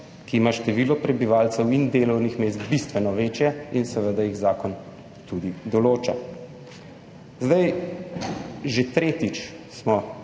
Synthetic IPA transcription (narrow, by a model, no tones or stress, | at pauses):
kiːmaʃt̪ɛʋiːlɔpɾɛbiʋaːlt̪sɛwind̪eːlɔwnixmeːst̪bist̪ʋɛnɔʋeːt͡ʃjɛinsɛʋəd̪ajiɣzaːkɔn | t̪ud̪id̪ɔloːt͡ʃa̰ | zd̪aj | ʒet̪ɾeːt̪it͡ʃ | smɔ